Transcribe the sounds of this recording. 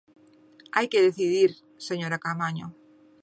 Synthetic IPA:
ajkeðeθiðiɾ | seɲoɾakamaɲo

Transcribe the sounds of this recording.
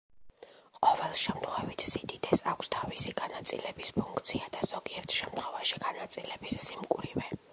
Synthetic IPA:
qʼɔvɛlˠʃɛmt̪ʰχwɛvit̪ʰsid̪id̪ɛsakʷʰst̪ʰavisiɡanat̪sʼḭlɛbispʰuŋkʰt̪sʰiad̪az̥ɔɡiɛɾt̪ʰʃɛmt̪ʰχwɛvaʃi̥ɡ̥anat̪sʼilɛbisːimkʼuɾivɛ

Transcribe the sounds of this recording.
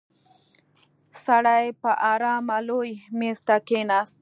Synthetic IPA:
saɽajpaʔaːɾɑːmalojmest̪akenas

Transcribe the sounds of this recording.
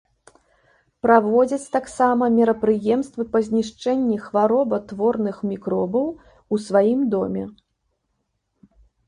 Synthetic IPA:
pɾavɔd͡zʲɐt͡sʲt̪aksamɐmʲɛɾɐpɾɨjɛmst̪vɨpɐzʲnʲiʂt͡ʂɛnʲːɛxvaɾɔbɐt̪vɔrnɨxmʲikɾɔbɐw | usvajimd̪ɔmʲɛ

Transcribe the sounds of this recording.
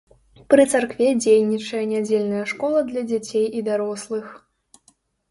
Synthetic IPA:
pɾɨt̪sarkvʲɛd͡zʲejnʲit͡ʂɐjɐnʲad͡zʲelʲnɐjɐʂkɔlˠɐd̪lʲɐd͡zʲat͡sʲejid̪aɾɔslˠɨx

